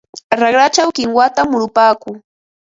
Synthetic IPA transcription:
ɾɑɡɾat͡ʃawkɪŋwat̪amːʊɾʊpaːkʊŋ

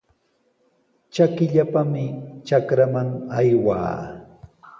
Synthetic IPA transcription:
t͡ʃakɪʎapamɪt͡ʃakɾamaŋajwa̰ː

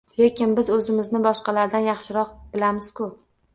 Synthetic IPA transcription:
le̞kʲɪnbɪzɵzɪmɪznɪbɒʃqɑlaɾd̪anjɑχʃɪɾɒqbɪlamɪz̥kʰɵp̚

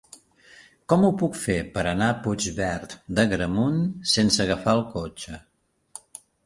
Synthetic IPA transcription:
kɔmupukfepəɾənaput͡ʃβɛɾt̪d̪əɣɾəmunsensəɣəfaəlˠkot͡ʃə

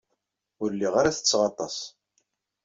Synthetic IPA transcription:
ʊɾlːiʁaɾaθə̥t͡sːʁɑt̪ˤɑs

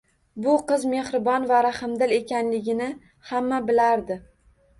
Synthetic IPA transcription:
bʊqɨzme̞hɾɪbɒnvaɾahɨmd̪ɪle̞kʲanlɪɡʲɪnɪ | hamːabɪlaɾd̪ɪ

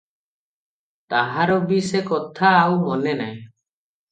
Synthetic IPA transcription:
t̪aɦaɾɔbisekɔt̪ʰaːwmɔnenajẽ

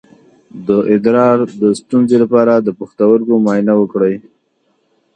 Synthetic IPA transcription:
d̪əʔɪd̪ɾɑɾd̪əst̪unzelapɑɾad̪əpəxt̪awəɾkomɑjnawəkɽəj

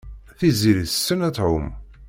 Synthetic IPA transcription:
θiziɾiθsːənæt͡sːʕʊm

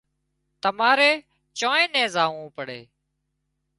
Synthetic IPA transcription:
t̪əmaːɾeː | t͡ʃõːẽːnɛ̃ːzaːʋũːpəɽḛː

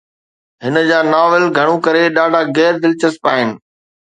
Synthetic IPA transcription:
ɦɪnə̆d͡ʑaːnaːʋɪlɡʱɐɽ̃ũkɐɾeɗaːɖʱaɡɛːɾd̪ɪlt͡ɕɐspaːɦɪnɪ̆

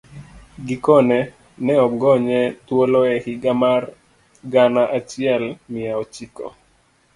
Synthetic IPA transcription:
ɡikɔnɛ | nɛɔɡɔɲɛt̪wolɔɛhɪɡamar | ɡanaʔat͡ʃiɛlmɪaot͡ʃikɔ̰

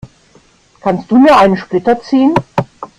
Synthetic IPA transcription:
kʰanst̚d̥uːmiːɐʔaɪnənʃplɪtɐt͡siːən

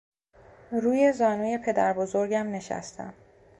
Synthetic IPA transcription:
ɾuːje̞zɒːnuːje̞pʰe̞d̪æɾbozoɾɟæmne̞ʃæ̰st̪ʰæ̰m

